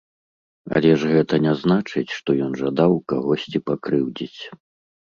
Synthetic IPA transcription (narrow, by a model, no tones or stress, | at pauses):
ɐ̰lʲɛʐɣɛt̪ɐnʲɛznat͡ʂɨt͡sʲʂt̪ɔjɔnʐad̪awkaɣɔsʲt͡sʲipakɾɨwd͡zʲit͡sʲ